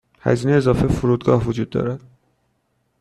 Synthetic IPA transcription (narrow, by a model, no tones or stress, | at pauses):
hæ̰ziːneːzɒːfefuɾuːd̪ɡɒːhvod͡ʒuːd̪ːɒ̰ːɾæd̪̥